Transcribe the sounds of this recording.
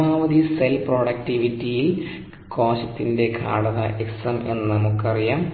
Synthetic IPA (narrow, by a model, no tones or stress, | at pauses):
aːʋɐd̪iselpro̞ːɽɐk̚tiʋitːijil | ko̞ːɕɐt̪ːinde̞kʰa̰ːɽɐðɐ̰ʔeksɐme̞̰nːnɐmukːɨɐrijaːm